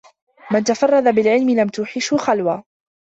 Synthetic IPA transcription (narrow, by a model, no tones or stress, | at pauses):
mant̪afɑrˤːɑd̪abɪlʕɪlmɪlamt̪ʊħɪʃhʊxalwaː